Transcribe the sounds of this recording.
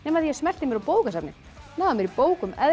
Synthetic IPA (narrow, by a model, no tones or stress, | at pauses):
nɛːmaθiḁsmɛl̥t̪ɪmjɛɾawpoːwkasat̪nɪ̰ | namjɛɾipoːwkʏmɛ